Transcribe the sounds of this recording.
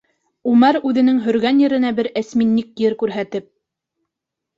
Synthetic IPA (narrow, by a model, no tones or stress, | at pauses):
umæɾʉðɘ̆nɘŋɦɵ̆ɾɡænjɘ̆ɾɘ̆næbɘɾæsminːikjɘɾkʉɾɦæt̪ɘp̚